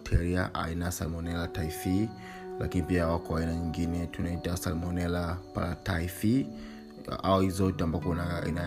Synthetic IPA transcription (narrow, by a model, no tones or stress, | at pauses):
tʰɛɾia̰ʔa̰inasa̰lmɔnɛlataifi | la̰kinipiawakɔainaɲiŋɡinɛtunaitasa̰lmɔnɛlapa̰latafi | a̰ɔhizɔtɛambakɔnaḭna